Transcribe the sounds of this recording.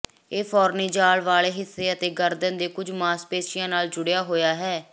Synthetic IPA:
eːpʰɔːɾniːd͡ʒaːlʋaːleːɦɪsːeːət̪eːɡəɾd̪ənd̪eːkʊd͡ʒmaːspeːʃɪjãːnaːld͡ʒʊɽejaːɦoːjaːɦɛː

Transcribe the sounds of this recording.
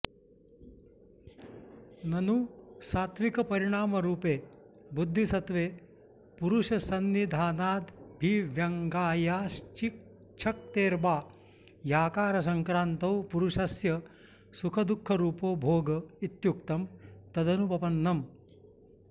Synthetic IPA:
nɐnusaːt̪ʰʋikɐpɐɾiɳ̃aːmɐɾuːpeː | bud̪ʱːisɐt̪ʋeː | puɾuʃɐsɐnːid̪ʱaːnaːd̪bʱiʋjɐŋɡaːjaːst͡ʃik | t͡ʃʰɐk̚t̪eːɾbaː | jaːkaːɾɐsɐŋkɾaːnt̪ɐwpuɾuʂɐsjɐ | sukʰɐd̪ukʰːɐɾuːpoːbʱoːɡɐit̪juk̚t̪ɐmt̪ɐd̪ɐnubɐpɐnːɐm

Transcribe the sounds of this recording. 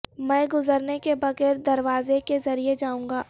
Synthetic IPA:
mɛ̃ːɡʊzəɾnekebɐɣɛːɾd̪ɐɾʋaːzekezɐɾied͡ʒaːũːŋɡaː

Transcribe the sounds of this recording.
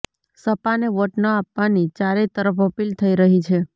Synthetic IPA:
səpaneʋəʈnəapʋanit͡ʃaɾet̪əɾəfəpilt̪ʰəiɾəɦit͡ʃʰe

